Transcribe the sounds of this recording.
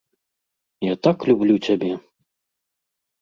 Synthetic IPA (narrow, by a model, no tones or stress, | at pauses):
jat̪aklʲublʲut͡sʲabʲɛ